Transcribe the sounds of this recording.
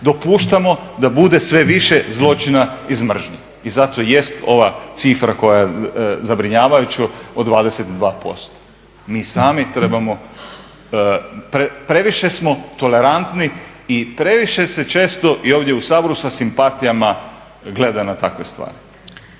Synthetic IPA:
d̪o̞puːʃt̪amo̞d̪abud̪e̞sʋe̞ʋiʃe̞zlˠo̞t͡ʃinaizmr̩ʒɲe | izat̪oje̞st̪o̞ʋat̪sifɾako̞jajezabɾiɲaːʋajut͡ɕuod̪ʋaːd̪ese̞t̪d̪ʋaːpo̞̰st̪o̥ | miːsaːmit̪ɾe̞bamo̞ | pɾepɾe̞ʋiʃe̞smo̞t̪o̞le̞ɾant̪ni | ipɾe̞ʋiʃe̞se̞t͡ʃe̞ːst̪o̞ʔio̞ːʋd̪jeusaːbo̞ɾusasimpat̪ijama | ɡle̞d̪anat̪akʋe̞st̪ʋa̰ːɾi

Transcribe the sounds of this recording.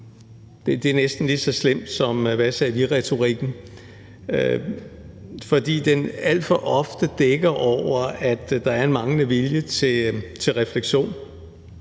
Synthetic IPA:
d̥e̝d̥e̝æɐnesd̥n̩lid̥sɒ̽slem̰d̥sɒ̽mʋæsɛːʋiʁɛt͡sʰo̝ʁiɡ̥n̩ | ø | fɒ̽d̥ḭːd̥enæl̰d̥fɒ̽ʔɒ̽fd̥əd̥eɡ̥ɐʔɒʊ̰ɐæd̥d̥ɑ̈æɐe̝nmɑ̈ŋnəʋiljət͡sʰe̝t͡sʰe̝lʁɛfleɡ̥ɕo̝̰ːn

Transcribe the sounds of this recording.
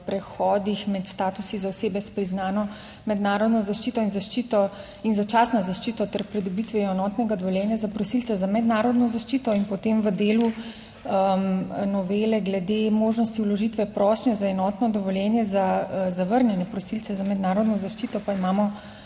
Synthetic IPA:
pɾɛxɔːd̪ixmɛt̪st̪aːt̪usizaɔseːbɛspɾiznaːnɔ | mɛd̪naːɾɔd̪nɔzaʃt͡ʃiːt̪ɔinzaʃt͡ʃit̪ɔ | inzat͡ʃaːsnɔzaʃt͡ʃiːt̪ɔt̪ɛɾpɾɛd̪ɔbit̪ʋɛjɛɛnɔːt̪nɛɡad̪ɔʋɔljɛːnjazapɾɔsilt̪sɛzamɛd̪naːɾɔd̪nɔzaʃt͡ʃit̪ɔinpɔt̪eːmʋəd̪eːlu | ənɔʋeːlɛɡlɛd̪emoːʒnɔst̪iulɔʒit̪ʋɛpɾɔːʃnɛzaɛnɔːt̪nɔd̪ɔʋɔljɛnjɛzazaʋəɾnʲjɛnjɛpɾɔsilt̪sɛzamɛd̪naːɾɔd̪nɔzaʃt͡ʃiːt̪ɔpaimaːmɔ

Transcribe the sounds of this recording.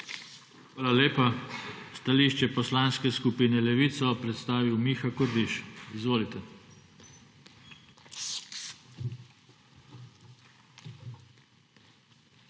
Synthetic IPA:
xʋaːlaleːpast̪aliːʃt͡ʃɛpɔslaːnskɛskupinɛlɛʋiːt̪sɔpɾɛt̪st̪aːʋiwmixakɔɾd̪iʃizʋoːlit̪ɛ

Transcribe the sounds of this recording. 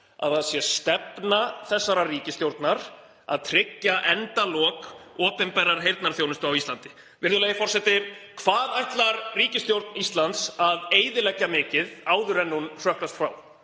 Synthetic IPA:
a̰ðaðsjɛst̪ɛpnaθɛsːaɾariːcɪst̪jowɾt̪naɾ | a̰ðt̪ʰɾɪcːaʔɛnt̪alɔːkɔːpɛmpɛrːaɾ̥ɦejɾt̪naɾ̥θjownɪst̪ʏawist̪lant̪ɪ̥ | vɪr̥ðʏlɛjɪfɔr̥sɛt̪ɪkʰvaːðajht̪laɾriːcɪst̪jowɾt̪nist̪lant̪saðeːjðɪlɛcːamɪːcɪðaːwðʏɾɛnːunr̥œhkɾast̪fɾa̰ːw

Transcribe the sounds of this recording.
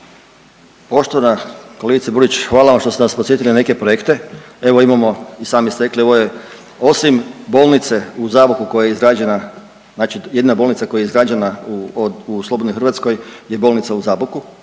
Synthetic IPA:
po̞ʃt̪oʋanakoleɡit̪sabuɾit͡ɕxʋaːlaʋamʃt̪osenaspot̪sje̞t̪iline̞ke̞pɾojekt̪e̞e̞ʋo̞imamo̞isaːmjest̪eklie̞ʋoje | o̞simbo̞ːlˠnit̪se̞uzaːbukuko̞jajeizɾaːd͡ʒena | znaːt͡ʃije̞d̪inabo̞lnit̪sakojaeizɾaːd͡ʒena | uslo̞bod̪nixɾrʋat̪sko̞jje̞bolnit̪auzaːbuku

